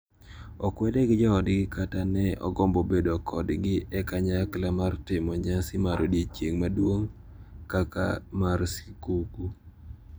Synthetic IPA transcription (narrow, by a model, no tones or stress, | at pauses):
ɔkwɛdɛɡɪd͡ʒɔɔdɡɪkatanɛɔ̰ɡɔmbɔbedokʰɔdɡɪʔɛkaɲaklamartɪmɔɲasɪmaɾodjet͡ʃeŋmadwoŋ | kakamarsi̥kuku